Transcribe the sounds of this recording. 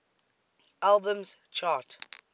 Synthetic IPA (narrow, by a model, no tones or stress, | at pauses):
ʔalbə̃mzt͡ʃʰɑt